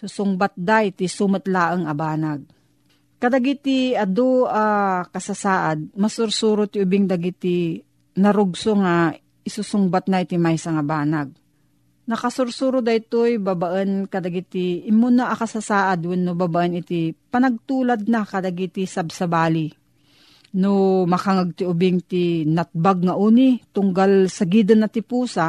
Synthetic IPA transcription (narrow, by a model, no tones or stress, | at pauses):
susʊŋbat̪̚d̪ajt̪isumɐt̪laːʔəŋɐbaːnaɡ̚ | kɐd̪ɐɡit̪iɐd̪oakɐsasaːʔad̪̚mɐsʊɾsuːɾot̪ɪʊbɪŋd̪ɐɡit̪i | nɐɾʊɡsoŋa | ɪsusʊŋbat̪̚nɐɪt̪imajsaŋɐbaːnaɡ̚ | nɐkasʊɾsuːɾod̪ɐjt̪ojbabaʔɛnkɐd̪ɐɡit̪ɪʔɪmʊnaʔɐkɐsasaːʔad̪wɛnːobabaʔɐnɪt̪ɪpɐnɐɡ̚t̪uːlad̪̚nakɐd̪ɐɡit̪ɪsabsɐbaːli | nomɐkaŋaɡ̚t̪ɪʔʊbɪŋt̪ɪnɐt̪̚baɡ̚ŋaʔuːnɪt̪ʊŋɡalsɐɡid̪ɐnːɐt̪ɪpuːsa